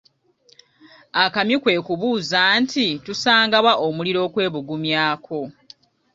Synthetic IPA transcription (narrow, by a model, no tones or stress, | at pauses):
akamjikwe̞ːkuβuːzaːntʰitusaːŋɡaβwaʔomuliɾo̞ːkwe̞ːβuɡumjaːkʰo̞